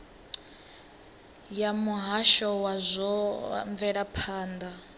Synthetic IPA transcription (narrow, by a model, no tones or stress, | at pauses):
jamuɦaʃɔwazʷɔɱvɛɺapʰaːnd̪a